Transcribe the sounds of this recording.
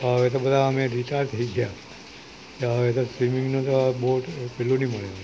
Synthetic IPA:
ɦəʋet̪obəd̪ʱaəmeɾiʈaɾt̪ʰəiɡja | keɦəʋet̪osʋimiŋɡnot̪oboʈpɛlːuniməɭen

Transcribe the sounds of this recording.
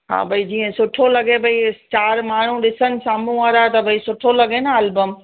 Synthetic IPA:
ɦa̰ːbʱɐid͡ʑiːə̃sʊʈʰolɐɡebʱɐit͡ɕaːɾmaːɳ̤ũɗɪsənɪ̆saːmũaːɾat̪ɐbʱɐisʊʈʰolɐɡenaɐlbəm

